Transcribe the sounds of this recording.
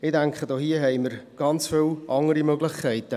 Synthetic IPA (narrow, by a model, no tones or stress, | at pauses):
ɪːdæŋkχədoːhiəɦɛɪməɾɡ̥ɑnt͡sfɪlʔɑŋəɾimøɡlɪχkʰːɛɪtə